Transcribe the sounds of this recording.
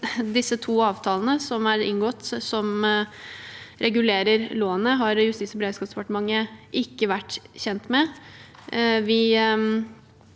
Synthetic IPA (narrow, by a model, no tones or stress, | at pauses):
d̪ɪsːət̪ʰuːɑːʋt̪ʰɑːlənəsɔmæɾɪ̰nɡɔt̪sɔm | ɾʔɛɡʉleːɾəɾloːənəɦɑɾjʉst̪iːt̪sɔbəɾeːd̪skɑːsd̪ɛpɑʈəmɑŋːəʔɪkːəʋæʈːçɛnt̪mɛ | ʋɪ